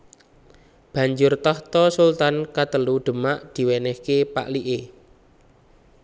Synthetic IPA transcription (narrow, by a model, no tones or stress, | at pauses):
b̥ä̤ɲd͡ʒʊrt̪ɔht̪ɔsult̪ankat̪əluɖ̪̥ə̤maʔd̪̥i̤wɛnɛhkepa̰ʔliʔe